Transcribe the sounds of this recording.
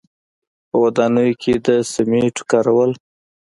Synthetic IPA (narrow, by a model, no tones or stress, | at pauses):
pəwad̪ɑnəjokʰed̪əsameʈkɑɾawəl